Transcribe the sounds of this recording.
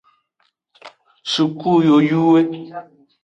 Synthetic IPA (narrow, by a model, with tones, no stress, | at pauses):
su˨ku˦˨jo˨ju˦we˦